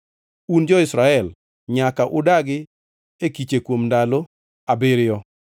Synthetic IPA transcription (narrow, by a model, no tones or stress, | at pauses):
und͡ʒɔɪsɾaɛl | ɲakaʔʊdaɡɪ | ekit͡ʃekwomndalo | abeɾɪjɔ